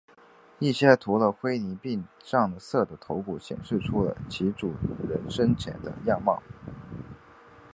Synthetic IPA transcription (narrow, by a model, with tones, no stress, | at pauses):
i˥˩ɕjɛ˥t̪ʰu˧˥lə˧xwe˥ɪni˧˥pi˥˧ŋʂɑ˥˩ŋd̪ə˩sɤ˥˩d̪ə˩t̪ʰo˧˥ʊku˨˩ɕjɛ̰˨˩nʂɻ̩˥˩ʈ͡ʂʰu˥lə̰˨t͡ɕʰi˧˥ʈ͡ʂu˨˩ɻə˧˥nʂə˥nt͡ɕʰjɛ̰˧˥nd̪ə̰˧jɑ˥˧mɑ̰˥˩ʊ